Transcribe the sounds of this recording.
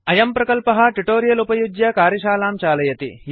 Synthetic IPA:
ɐjɐmpɾɐkɐlpɐɦɐ̆ʈiʈoːɾijɐlupɐjud͡ʒjɐkaːɾjɐʃaːlaːmt͡ʃaːlɐjɐt̪ḭ

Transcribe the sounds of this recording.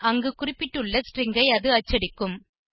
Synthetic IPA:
ɐŋɡɯkʊrɪpːɪʈːɯɭːɐsʈrɪŋɡɐɪɐðɯɐt͡ʃːɐɽɪkːɯm

